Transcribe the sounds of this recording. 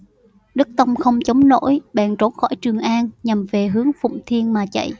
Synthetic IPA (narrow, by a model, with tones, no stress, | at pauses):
ɗɨ˦˥k̚t̪ə˧wŋ͡mxə˧wŋ͡mt͡ɕə˨˦wŋ͡mno̰˧˥jɓa̰ː˧˨nt͡ɕo˨˦nxɔ̰˧˩jt͡ɕɨ˨˩əŋʔaː˧nɲa˨˩mve˨˩ɦɨ˨˦əŋfʊ̰˧˨ŋ͡mt̪ʰi˧ənmaː˨˩t͡ɕə̰˧˨j